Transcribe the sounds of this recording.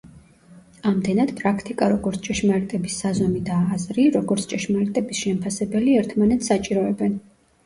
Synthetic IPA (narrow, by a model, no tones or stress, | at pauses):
amd̪ɛnad̪̥pʼɾakʰt̪ʼikʼaɾɔɡɔɾt̪sʰt͡ʃʼɛʃmaɾit̪ʼɛbisːazɔmid̪aːzɾiɾɔɡɔɾt̪sʰt͡ʃʼɛʃmaɾɛt̪ʼɛbisʃɛmpʰasɛbɛliɛɾt̪ʰmanɛt̪ssat͡ʃʼiɾɔɛbɛn